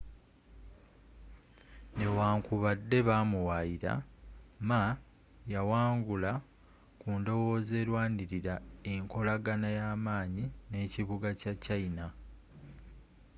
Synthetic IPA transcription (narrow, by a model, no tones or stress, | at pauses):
ne̞waːŋkuβadːe̞βaːmuwajiɾa̰ma | jawaːŋɡula | kuːndo̞wo̞ːze̞ːlwaːndiɾiɾae̞ŋko̞laɡanajaːmaːɲine̞ːciβuɡacacaina